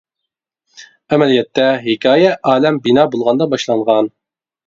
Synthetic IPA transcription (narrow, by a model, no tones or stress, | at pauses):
æmɛlijɛt̪ːɛɦɪkʲʰɑːjɛʔɑːlɛmbinɑːbolˠʁɑnd̪ɑbɑʃlˠɑɴʁɑn